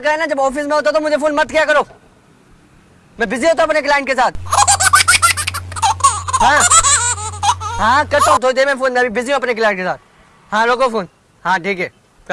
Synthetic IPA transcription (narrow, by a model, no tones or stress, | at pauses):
kaenad͡ʑɐbɔːfis̬mẽɦot̪ot̪omʊ̃ɦd͡ʑefoːnmɐt̪̚kijakɐɾoː | mɛ̃ːbʱɪzijoɦot̪ʰoɐpnek̬laːɪ̃ɳʈkeːs̬aːt̪̚ʰ | ɦãː | ɦãːkɐtõt̪̬ʰot̪emẽːfoːnmɛ̃bĩbʱɪzijõɐpnek̬laːɪ̃ɳʈ̚kesaːt̪̚ | hãːɾokofoːn | hãːʈʰiːkɦeː